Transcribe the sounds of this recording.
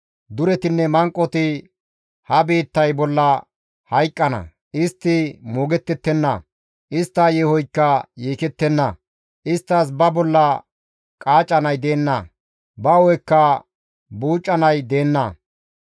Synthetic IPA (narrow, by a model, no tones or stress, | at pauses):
d̪ʊɾɛt̪ɪnːɛmɐŋkʼːɔt̪ɪ | hɐbeːt̪ːɐjbɔlːɐ | hɐjkʼːɐnɐ̰ | ʔɪst̪ːɪmoːɡɛt̪ːɛt̪ːɛnːɐ | ʔɪst̪ːɐjɛhɔjkːɐjeːkɛt̪ːɛnːɐ | ʔɪst̪ːɐs̬bɐbɔlːɐ | kʼaːt͡ʃʼːɐnɐjd̪eːnːɐ̰ | bɐwɔjɛkːɐ | buːt͡ʃʼːɐnɐjd̪e̞ːnːɐ̰